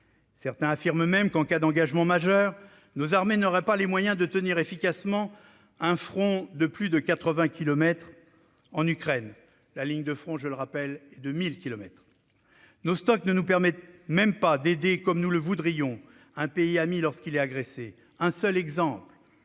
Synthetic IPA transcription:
sɛʁt̪ɛ̃afiʁmmɛmkɑ̃kad̪ɑ̃ɡaʒmɑ̃maʒœʁ | nozaʁmenɔʁɛpalemwajɛ̃d̪ət̪əniʁefikasmɑ̃ | ɛ̃fχɔ̃d̪əplyd̪əkat̪χəvɛ̃kʲilɔmɛt̪χ | ɑ̃nykχɛn | laliɲd̪əfχɔ̃ʒələʁapɛlɛd̪əmilkʲilɔmɛt̪χ | nost̪ɔknənupɛʁmɛt̪mɛmpad̪ed̪ekɔmnuləvud̪ʁijɔ̃ | ɛ̃peiamilɔʁskilɛt̪aɡʁese | ɛ̃sœlɛɡzɑ̃pl

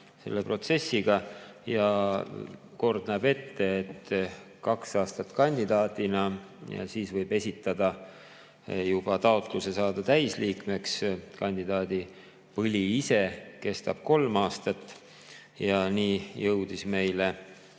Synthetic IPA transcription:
se̞̰lːeprot̪se̞sːiɡ̥ɑjɑ | ko̞rd̪̥næːb̥e̞t̪ːe̞ːt̪ː | kɑksɑːst̪ɑt̪kɑnʲd̪id̪̥ɑːt̪inɑ̰ | siːsvɤjb̥e̞sʲit̪ːˑɑd̪̥ɑ | jub̥ɑt̪ɑo̞t̪ˑluse̞sɑːd̪̥ɑt̪æjsliːkme̞kskɑnʲd̪id̪ɑːd̪̥i | pɤlʲiise̞ke̞st̪ɑb̥̚ko̞lmɑːst̪ɑt̪ː | jɑniːjɤwd̪̥isme̞jle

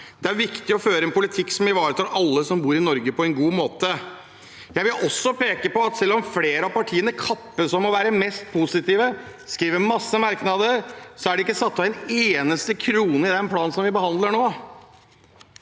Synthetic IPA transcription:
d̪̥ɛæɾʋɪkt̪ɪɔføːɾəɛnpʊlɪt̪ʰɪkːsɔmɪʋɑːɾət̪ɑlʔɑlːəsɔmbuːɾɪnɔɾɡəpʰɔɛnɡuːmoːt̪ə | jæɪʋɪlʔɔsːɔpeːkəpɔɑt̪sɛlːɔmfleːɾəɑpɑʈʰiːənəkʰɑpːəsɔmɔʋæːɾəmɛst̪̚pʰusɪt̪iːʋəskɾiːʋəmɑsːəmɑɾknɑd̪əɾsɔæɖɛɪkːəsɑt̪ːɑʋɛneːnəst̪əkʰɾuːnəɪd̪ɛnpʰlɑːnsɔmʋɪbəhɑnd̪ləɳoː

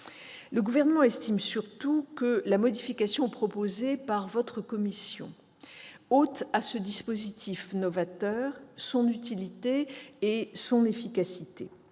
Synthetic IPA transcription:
ləɡuvɛʁnəmɑ̃ɛst̪imsyʁt̪ukəlamɔd̪ifikasjɔ̃ɛpχɔpozepaʁvɔt̪χəkɔmisjɔ̰̃ | ot̪asəd̪ispozit̪ʰifnɔvat̪œːʁsɔ̃nyt̪ilit̪eː | sɔ̃nefikasit̪e

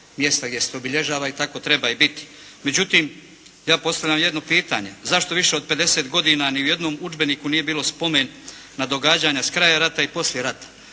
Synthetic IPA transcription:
mje̞st̪aɡd̪ʲjeseobiʎe̞ʒaːʋait̪ako̞t̪ɾe̞baibit̪i̥ | me̞d͡ʑut̪iːm | jaːpo̞st̪aʋʎʲamje̞d̪no̞piːt̪a̰ɲe̞zaʃt̪o̞ʋiʃe̞o̞d̪̚pe̞d̪e̞se̞ːt̪ɡo̞d̪iːnaniuje̞d̪no̞ːmud͡ʒbe̞niːkuniːje̞biːlo̞spo̞me̞ːnː | ad̪o̞ɡaːd͡ʑaɲaskɾajaɾat̪aipo̞sljeɾat̪ḁ

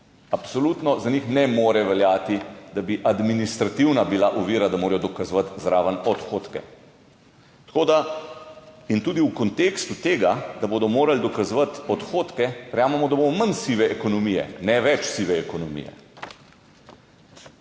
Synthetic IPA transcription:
apsɔlut̪nɔzanixnɛmoːɾɛʋɛljaːt̪id̪abiʔad̪minist̪ɾat̪iwnabilaʔɔʋiːɾad̪amoːɾɛjɔd̪ɔkazʋat̪zɾaːʋənɔt̪xoːt̪kɛ̰ | t̪koːd̪a | int̪uːd̪iwkɔnt̪eːkst̪ut̪eːɡad̪aboːd̪ɔmoːɾald̪ɔkazʋat̪ɔt̪xoːt̪kɛʋɛɾjaːmɛmɔd̪abomɔmansiʋɛʔɛkɔnɔmijɛ̰nɛʋɛt͡ʃsiʋɛːkɔnɔmḭjɛ̰

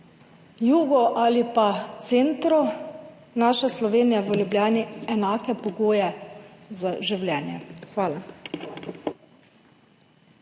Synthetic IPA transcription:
juːɡɔʔalipat̪seːnt̪ɾɔ | naːʃaslɔʋeːnijaʋəljublʲjaːniɛnaːkɛpɔɡoːjɛzaʒiwlʲjɛːnjɛxʋaːla

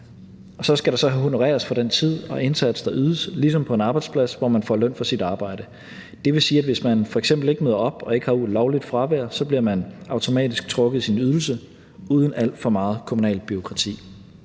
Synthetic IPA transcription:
ɒ̽sɒ̽sɡ̥æɾ̥ɑ̈sɒ̽ɦono̝ʁɛ̰ːɐsfɒ̽d̥ent͡sʰið̞̰ˠɒ̽ʔe̝nsæd̥səd̥ɑ̈ʔyːðˠəslis̬ɒ̽mpʰɒ̽e̝nɑ̈ːb̥ɑ̈ɪdspʰlæsʋɒ̰mænfɒ̰lœn̰fɒ̽sid̥ɑ̈ːb̥ɑ̈ɪ̰d̥ə | d̥e̝ʋe̝siːædʋe̝smænfɒ̽eɡ̥sem̰b̥l̩e̝ɡ̥myːð̰ˠɐɒ̽b̥ɒ̽e̝ɡ̥hɑ̈uð̰ˠlɒʊlid̥fʁɑ̈ʋæɐ̰sɒ̽b̥liɐmænɑ̈ʊt͡sʰo̝mɛ̰ːd̥isɡ̥̚t͡sʰʁɔ̽ɡ̥ð̩ˠsinyð̞ˠl̩sə | uːð̞ˠən̩æl̰d̥fɒ̽mɑ̈ːð̞̩ˠkʰomunɛ̰ːlb̥yo̝kʰʁɑ̈t͡sʰḭː

